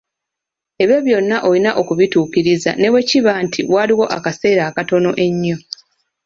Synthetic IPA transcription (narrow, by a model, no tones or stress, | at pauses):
e̞βjo̞βjo̞nːaʔo̞linaʔo̞kuβituːkiɾiza̰ne̞we̞ciβaːntʰḭwaːliwo̞ʔakase̞ːɾaːkato̞no̞ʔe̞ɲːo̞